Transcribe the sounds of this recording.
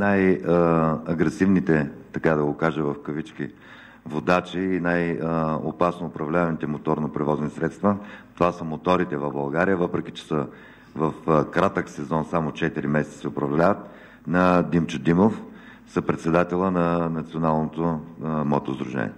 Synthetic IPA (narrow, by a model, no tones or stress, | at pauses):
naj | ɐɡɾɛsivnit̪ɛt̪ɐkad̪ɐɡokaʒəvɐfkəvit͡ʃkḭ | vod̪at͡ʃiːnajo̰pasnoːpɾɐvlʲavɐmit̪ɛmot̪ɔɾnopɾɛvɔznisɾɛt̪st̪vət̪ovasəmot̪ɔɾit̪ɛvɐvbɐlˠɡaɾijəvəpɾɛkit͡ʃɛ̥sə | vɐfkɾat̪əksɛzɔnsamot͡ʃɛt̪iɾimɛsɛt̪ə̥sɛʊpɾɐvllʲavət̪ | nɐd̪imt͡ʃʊd̪imof | sɐpɾɛt̪sɛd̪at̪ɛlˠənɐnɐt̪sionalˠnot̪omɔt̪ozd̪ɾʊʒɛ̰nʲḭɛ̰